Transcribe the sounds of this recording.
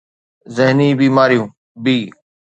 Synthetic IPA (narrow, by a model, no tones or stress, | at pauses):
zɪɦniːbiːmaːɾijũː | biː